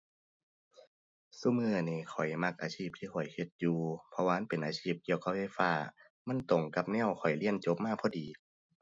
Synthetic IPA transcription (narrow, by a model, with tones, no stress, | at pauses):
su˧˩˨mɯː˧˩˨niː˧˩xʰɔ˨˩jma˧˥k̚ʔaː˧sʰiː˧˩p̚t̪ʰiː˧˥˩kʰɔ˨˩jhe˧˦t̪̚juː˧pʰɔ˧waː˧a˧˥˨npe˨nʔaː˧t͡ɕʰiː˧˥˩p̚ki˧˨əwka˧˥fe˧˥˩faː˧˩ | ma˧˥˨nt̪o˨˩ŋka˧˥p̚nɛ˧˥˨wkʰɔ˨˩jli˧˥˨ənt͡ɕo˧˦p̚maː˧˥˩k̚pʰɔ˧˨diː˨˦